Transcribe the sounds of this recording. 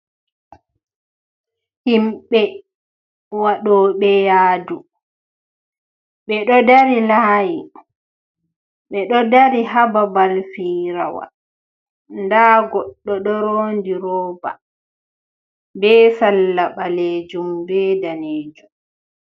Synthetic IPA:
himɓɛ | waɗɔːɓɛjaːdu | ɓɛɗɔdaɾilaːji | ɓɛɗɔdaɾiɦababalfiːɾawa̰ | ndaːɡɔɗːɔɗɔɾoːndiɾɔːba̰ | bɛːsalːaɓaled͡ʒumbɛdaneːd͡ʒum

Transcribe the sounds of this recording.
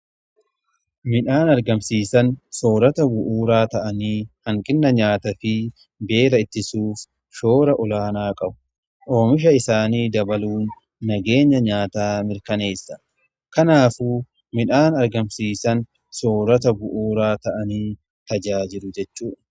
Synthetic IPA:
mɪᶑaːnɐɾɡɐmsiːsɐnso̞ːɾɐt̪ɐbʊʔuːɾaːt̪ɐʔɐniːhɐŋkʼɪnːɐɲaːt̪ɐfɪ | be̞ːɾɐɪt̪ːɪsuːf | ʃo̞ːɾɐʔɔlaːnaːkʼɐbʊ̥ | ʔo̞ːmɪʃ̬ɐɪsaːniːd̪ɐbɐluːnː | ɐɡe̞ːɲːɐɲaːt̪aːmɪɾkɐne̞ːsːɐ̥ | kɐnaːfuː | mɪᶑaːnɐɾɡɐmsiːsɐn | so̞ːɾɐt̪̬ɐbʊʔuːɾaːt̪ɐʔɐniː | t̪ɐd͡ʒaːd͡ʒɪlʊd͡ʒɛt͡ʃːuːᶑ

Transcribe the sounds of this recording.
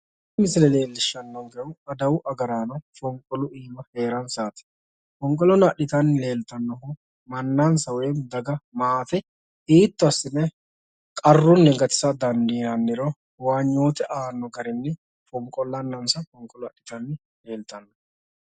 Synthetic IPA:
mɪsɪlɛle̞ːlːɪʃːɐnːɐwɡɛʊɐd̪ɐwʊʔɐɡɐɾaːnɐfɔŋkʼɔlʊʔiːmɐhe̞ːɾɐnsaːt̪ɛ̥ | fɔŋkʼɔlɔnɐɗɪt̪ɐnːɪle̞ːlt̪ɐnːɔɦʊ | mɐnːansɐwemd̪ɐɡɐmaːt̪ɛ | iːt̪ːʊɐsːɪnɛ | kʼɐrːʊnːɛɡɐt̪ɪ̥sɐd̪ɐnd̪iːɐnːɪɾo | waːɲːo̞ːt̪ɛʔaːnːɔɡɐɾɛnːɛ | fɔŋkʼɔlːɐnːɐnsɐfɔŋkʼɔlʊɐɗɪt̪ɐnːɪ | le̞ːlt̪ɐnːɔ

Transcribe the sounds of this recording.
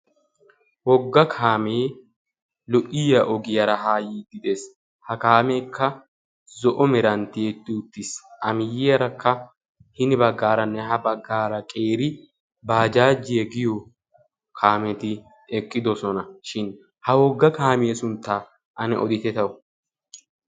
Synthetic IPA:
wɔɡːɐkʰaːmeː | lɔʔɪjɐʔɔɡɪjɐɾɐɦaːjiːd̪ɪd̪eːs | hɐkaːmeːkʰːɐ | zɔʔɔmɛɾɐnt̪ɪjet̪ːɪʊt̪ːɪsʔɐmɪjɪɐɾɐkʰːɐ | hɪnɪbɐɡːaːɾɐnːɛɦɐbɐɡːaːɾɐkʼe̞ːɾɪ | baːd͡ʒaːd͡ʒɪjɛɡɪjɔ | kʰaːmɛt̪ɪ | ɛkʼːɪd̪ɔsɔnɐʃɪn | hɐwɔɡːɐkaːmeːsʊnt̪ːaː | ʔɐnɛ̰ʔɔ̰d̪ɪt̪ɛt̪ɐwʊ

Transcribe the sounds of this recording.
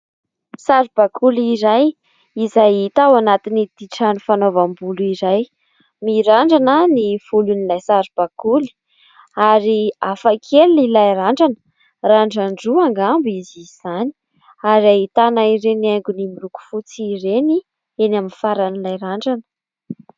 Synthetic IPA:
saɾub̥akʰuliɾaj | izajit̪awanat̪inid̪̥iʈ͡ʂanufanovambuluiɾaj | miɾaɳɖ͡ʐanəniv̥ulunilajsaɾub̥akuli̥ | aɾiafakʰelilajɾaɳɖ͡ʐanə̥ | raɳɖ͡ʐaɳɖ͡ʐuaŋɡambiziz̥ani̥ | aɾiaɦit̪anaiɾenaŋɡunimiɾuku̥fut͡siɾeni | enaminfaɾanilajɾaɳɖ͡ʐanə̥

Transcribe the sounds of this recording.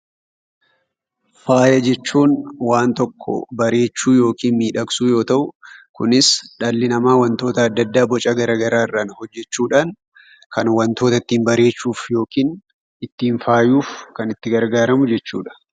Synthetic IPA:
faːjɐd͡ʒɛt͡ʃːuːnwaːnt̪ɔkʰːɔ̰bɐɾe̞ːt͡ʃːuːjo̞ːkiːnmiːᶑɐksuːjo̞ːt̪ɐʔʊkʊnɪsᶑɐlːɪnɐmaːwɐnt̪o̞ːt̪ɐːd̪ːɐd̪ːaːbɔt͡ʃʼɐɡɐɾaːɡɐɾaːɪrːaːnhɔd͡ʒːɛt͡ʃːuːᶑaːn | kɐnwɐnt̪o̞ːt̪ɐɪt̪ːiːnbɐɾe̞ːt͡ʃːuːfjo̞ːkiːn | ɪt̪ːiːnfaːjuːfkɐnɪt̪ːɪɡɐɾɡaːɾɐmʊd͡ʒɛt͡ʃːṵːᶑɐ̥

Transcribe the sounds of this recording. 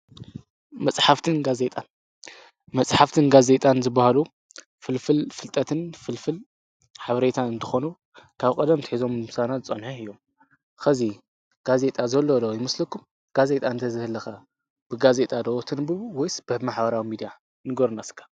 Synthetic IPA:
mɐt͡sʼħaft̪ʰɨnɡaze̞t̪ʼan | mɐsʼħaft̪ʰɨnɡaze̞t̪ʼanzɨbːahalu | fɨlfɨlfɨlt̪ʼɐt̪ʰɨnfɨlfɨl | ħaβɐɾe̞t̪ʰanɨnt̪ʰɨxonu | kʰaβkʼɐd̪ɐmt̪ʰɨ̥ħizo̞msanaɨt͡sʼɐnħuɨjːo̞m | xɐzi | ɡ̥aze̞t̪ʼazɐlːod̪ojɪmɐslɐkʰːum | ɡ̥aze̞t̪ʼaɨnt̪ʰɐzɨhɨlːɐxa | b̥ɨɡaze̞t̪ʼad̪ɐwot̪ʰɨnbɨβwɔjsb̥ɨhmaħbɐɾawimid̪ija | nɨɡoɾnaskʰḁ

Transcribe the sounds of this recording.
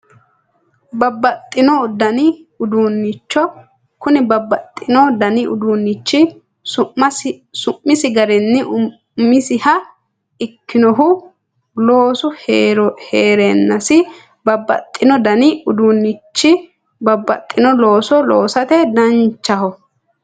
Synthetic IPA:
bɐbːɐt̪ʼːɪnɔd̪ɐnɪʊd̪unːɪt͡ʃːɔ | kʊnɪbɐbːɐt̪ʼːɪnɔd̪ɐnɪʔʊ̰d̪uːnːɪt͡ʃːɪ | ʊɐsʊmːɪsɪɡɐɾɛnːɪʔʊ | mːɪsɪhɐ | ɪkːɪnɔɦʊ | loːsʊɾheːɾɛnːɐsɪ | bɐbːɐ̰t̪ʼːɪnɔd̪ɐnɪʊd̪unːɪt͡ʃːɪ | bɐbːɐt̪ʼːɪnɔlo̞ːsɔloːsɐt̪ɛd̪ɐnt͡ʃːɐɦɔ

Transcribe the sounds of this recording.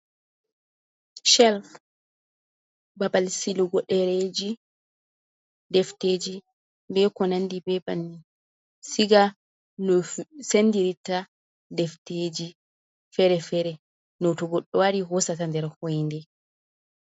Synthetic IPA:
ʃɛlf | babalsilɔɡɔɗɛɾed͡ʒi | ddɛfteːd͡ʒi | bɛkɔnandibɛbani | siɡa | nɔsenːdiɾita | dɛfted͡ʒi | fɛɾɛfɛɾɛ | nɔtɔɡɔɗːɔwaɾiɦɔsatandɛɾhɔjndɛ

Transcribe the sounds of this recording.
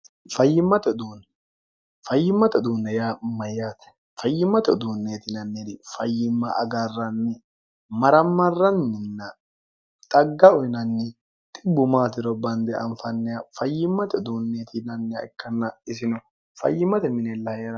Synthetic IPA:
fɐjːɪmːɐt̪ɛd̪uːn | fɐjːɪmːɐt̪ɛd̪uːnːɛjamɐjːat̪ɛ̥ | fɐjːɪmːɐt̪ɛd̪uːnːeːt̪ɪnɐnːɛt̪ɪfɐjːɪmːɐʔɐ̰ɡarːɐnːɛ | mɐɾɐmːɐrːɐnːɛnːɐ | t̪ʼɐɡːɐʊɪnɐnːɛ | t̪ʼɪbːʊmaːt̪ɪɾɔbɐnd̪ɛɐ̰nfɐnːɛjafɐjːɪmːɐt̪ɛd̪uːnːeːt̪ɪnɐnːɛa̰ɪkːɐnːɐɪs̬ɪnɔ | fɐ̰jːɪmːɐt̪ɛmɪnɛlːɐjeɾɐ

